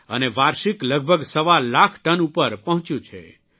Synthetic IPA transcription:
ə̰neʋaɾʃikləɡ̚bʱəɡsəʋallakʰʈənupəɾpəɦɔ̃t͡ʃjũt͡ʃʰḛ

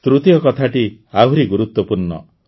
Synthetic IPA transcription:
t̪ɾut̪ijɔkɔt̪ʰaʈiaɦuɾiɡuɾut̪wɔpuɾnɔ̰

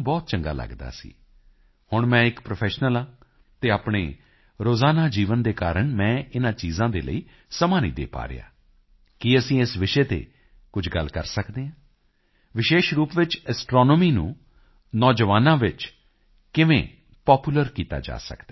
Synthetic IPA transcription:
bɔːt̪̚t͡ʃəŋɡa̰ːlə̰ɡd̪a̰ːsḭː | hʊɳmɛ̃ːɪkpɾopʰɛːʃnəlãː | t̪eːaːpɳḛː | ɾoːzaːnaːd͡ʒiːʋənd̪eːkaːɾəɳmɛ̃ːɪnãːt͡ʃiːzãːd̪ḛːlə̰iː | səmãːnḭːd̪ḛːpa̰ːɾḛja̰ː | kɪəsĩːɪsʋɪʃeːt̪ḛː | kʊd͡ʒʱɡəlkəɾsəkd̪eːãː | ʋɪʃeːʃɾuːpʋɪt͡ʃɛsʈɾɔːnɔːmiːnṵ̃ː | nɔːd͡ʒəʋaːnãːʋɪt͡ʃ | kɪʋḛ̃ː | pɔːpuːləɾkiːt̪a̰ːd͡ʒa̰ːsə̰kd̪aː

